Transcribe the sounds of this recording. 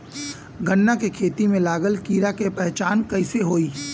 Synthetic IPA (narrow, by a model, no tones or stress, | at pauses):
ɡənːakekʰeːt̪imẽlaːɡəlkiːɾakepɛɦt͡ʃaːnkɐiseɦoːiː